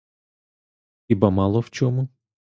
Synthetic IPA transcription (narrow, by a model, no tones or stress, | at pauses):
ibɐmɑlˠɔwt͡ʃʲɔmʊ